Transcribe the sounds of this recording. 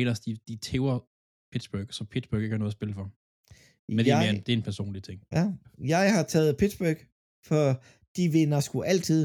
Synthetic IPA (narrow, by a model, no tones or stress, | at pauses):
lɐsd̥id̥it͡sʰeʊɐ | pʰid̥sb̥œːɡ̥sɒ̽pʰid̥sb̥øɡ̥eɡ̥hɑnɔːð̩ˠɐsb̥e̝ləfɒ | end̥eeɐnd̥e̝æe̝npʰæɐso̝̰ːnlit͡sʰe̝ŋ̰æjɑ̈ɪhɑ̈t͡sʰɛːð̞̩ˠpʰid̥sb̥øɡ̥ | fɒ | d̥iʋe̝nɐsɡ̥uʔæl̰t͡sʰið̰ˠ